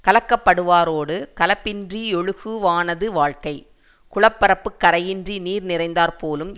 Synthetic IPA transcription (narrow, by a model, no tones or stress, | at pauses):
kɐlɐkːɐpːɐɽɯʋaːɾoːɽɯkɐlɐpːɪndriɔɻɯɣɯʋaːnɐðɯʋaːɻkɐɪ | kʊɻɐpːɐɾɐpːɯkːɐɾɐjɪndriniːɾnɪrɐɪnd̪aːɾpoːlɯm